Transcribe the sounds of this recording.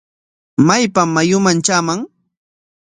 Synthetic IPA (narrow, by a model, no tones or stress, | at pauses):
majpamːajʊmant͡ʃaːmaŋ